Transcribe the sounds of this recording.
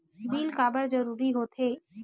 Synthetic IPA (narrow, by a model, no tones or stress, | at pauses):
bilkabəɾd͡ʑɔɾuɾiɦot̪ʰe